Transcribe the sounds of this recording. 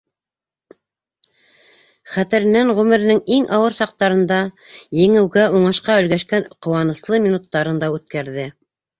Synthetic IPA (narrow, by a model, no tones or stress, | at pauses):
χæt̪ɘ̆ɾɘ̆nænʁʉmɘ̆ɾɘ̆nɘŋiŋʔɑwɤɾsɑq̚t̪ɑɾɤ̆nd̪ɑjɘ̆ŋɘ̆wɡæuɴɑʃqɑɵ̆lɡæʃkænqŏwɑnɤ̆slˠɤmʲinut̪ːɑɾɤnd̪ɑʉt̪kæɾðɘ